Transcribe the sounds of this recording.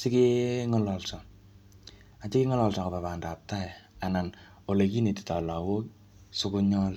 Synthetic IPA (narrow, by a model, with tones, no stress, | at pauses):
sɪ˦kiŋɔlɔ˨lsɔ˨ | a˨t͡ʃɪ˦kiŋɔ˦lɔlsɔ˨kapa˨pa˨nda˨p̚taja˨na˨n | o˨leki˦ne˨ti̥tɔ˨la˨wo˦k | sʊ˦kʊ˦ɲɔ˦l